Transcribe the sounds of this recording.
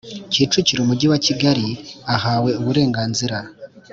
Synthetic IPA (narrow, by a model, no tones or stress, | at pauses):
ciːt͡ʃuciɾumuɟiwaciɡaɾiahaːwe̞uβuɾe̞ːŋɡaːnziɾa